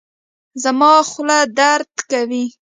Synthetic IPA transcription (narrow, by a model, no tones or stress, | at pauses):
zamɑxlad̪aɾd̪kawi